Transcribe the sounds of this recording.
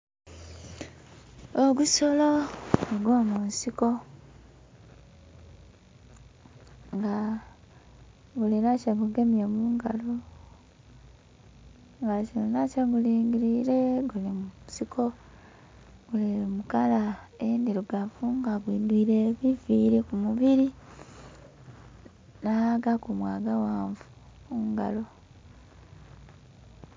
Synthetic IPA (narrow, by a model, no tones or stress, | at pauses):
oɡusoloɡwoːmunsiko̞ | ŋɡa | ɡuliɾacaɡuɡe̞mjemuːŋɡalo | ŋɡainacaɡuliːŋɡiɾiɾeɡulimuusikʰo̞ | ɡulimukala | endiɾuɡafuːŋɡaɡwiːndwiːɾeβifiːɾekumuβiɾi | nahaɡakumwaːɡawaːɱvu̥ | muŋɡa̰lo̞